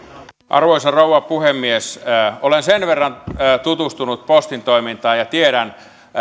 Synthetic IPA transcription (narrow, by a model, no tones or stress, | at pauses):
ʔɑ̰rʋoisɑrouʋˑɑpuhemːiesolensenʋerːɑnt̪ut̪ust̪unut̪̚post̪int̪oimint̪ɑːjɑt̪ieɾæn